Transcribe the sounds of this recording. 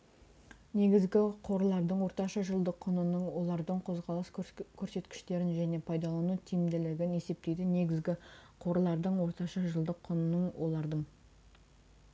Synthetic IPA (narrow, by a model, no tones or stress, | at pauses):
ne̞ɡʲɪzɡʲɪqʰo̞ɾlˠɑɾd̪əɴwo̞ɾt̪ɑʃɑʒəlˠd̪əqʰːʊnənəɴwo̞lˠɑɾd̪əɴqʰo̞zʁɑlˠəskʲʰɵɾse̞t̪kʲɪ̥ʃt̪e̞ɾɪnʒæne̞pʰɑjd̪ɑlˠɑnut̪ʰijɪmd̪ɪlɪɡʲɪne̞se̞p̚t̪e̞jd̪ɪne̞ɡʲɪzɡʲɪqʰo̞ɾəlˠɑɾd̪əɴwo̞ɾt̪ɑʃɑʒəlˠd̪əqʰːʊnənəɴwʔo̞lˠɑɾd̪əɴ